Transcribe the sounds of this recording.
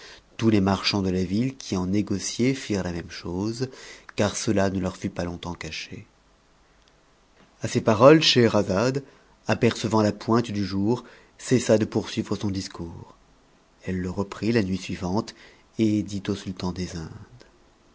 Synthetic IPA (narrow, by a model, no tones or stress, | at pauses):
t̪ulemaʁʃɑ̃d̪əlavilkʲʰiɑ̃neɡɔsjefiʁlamɛmʃozkaʁsəlanəlœʁfypalɔ̃t̪ɑ̃kaʃḛ | asepaʁɔlʃeʁazad̪ | apɛʁsəvɑ̃lapwɛ̃t̪d̪yʒuːʁ | sesad̪əpuʁsɥivʁəsɔ̃d̪iskuːʁ | ɛlːəʁəpχilanɥisɥivɑ̃t̪ | ed̪it̪osylt̪ɑ̃d̪ezɛ̃d̪